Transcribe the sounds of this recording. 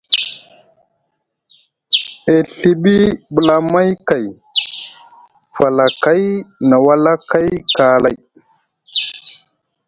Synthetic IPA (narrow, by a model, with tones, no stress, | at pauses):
e˨ɬi˨ɓi˦ɓu˨la˦ma˦jka˨j | fa˨la˨ka˦jna˨wa˦la˦ka˦jka˦la˦˨j